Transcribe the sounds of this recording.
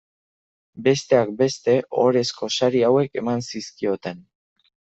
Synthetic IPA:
be̞st̪e̞ak̚be̞st̪e̞ʔo̞ɾe̞sko̞saɾiawe̞ke̞mansiskio̞t̪e̞n

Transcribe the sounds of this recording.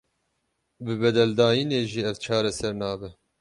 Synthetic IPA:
bɨbɛd̪ɛld̪ɑːjiːneːʒiːɛvt͡ʃʰɑːɾɛsɛɾnɑːbɨ

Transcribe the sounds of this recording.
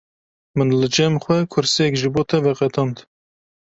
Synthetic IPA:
mɨnlɨd͡ʒɛmxwɛkʰʊɾsijɛkʒɨboːt̪ʰɛvɛqɛt̪ʰɑnt̪

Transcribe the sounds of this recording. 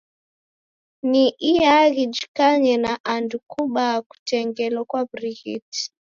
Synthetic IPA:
niʔiaɣid͡ʒi̥kaɲɛnaʔandukʰuɓaku̥tɛŋɡɛlɔkwabɾiɣḭti̥

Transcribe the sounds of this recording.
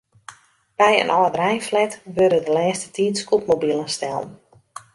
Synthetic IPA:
b̥ɛjə̰nʔɔːdrɛjflɛtʋørdədəlɛːstətiːtskup̚mobilˠənstɛlˠn

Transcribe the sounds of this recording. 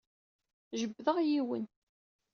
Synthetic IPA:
ʒəbːðəʁjiwə̰n

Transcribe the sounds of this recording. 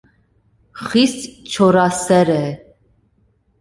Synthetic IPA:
χist͡ʃʰɔɾasɛɾɛ

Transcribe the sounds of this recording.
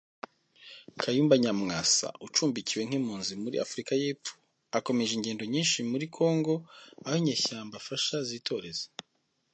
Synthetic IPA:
kʰajuːmbaɲamŋaːsa̰ut͡ʃuːmbiciwe̞ŋ̥himuːnzimuɾḭʔa̰fuɾikaje̞ːp͡fo̥ | ako̞me̞ʒeiɲɟe̞ːndo̞ɲiːnʃimuɾikʰo̞ːŋɡo̞aheɲeːçaːmbafaʃaziːtʰo̞ɾe̞za

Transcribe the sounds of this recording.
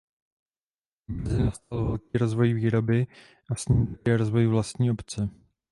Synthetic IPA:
mɛzɪnast̪alvɛlkiːɾo̞zvo̞jviːɾo̞bɪ | ʔasɲimt̪akɛɾo̞zvo̞jvlast̪ɲiːʔo̞pt͡sɛ

